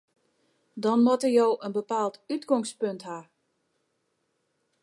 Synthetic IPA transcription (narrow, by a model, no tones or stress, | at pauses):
dɔnmɔtərjoːʔənbəpaːlˠtytɡɔŋspøntha